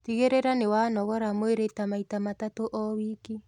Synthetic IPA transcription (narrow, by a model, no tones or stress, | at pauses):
tiɣeɾeɾanewanɔɣɔɾamoeɾetamaitamatatoʔɔwiki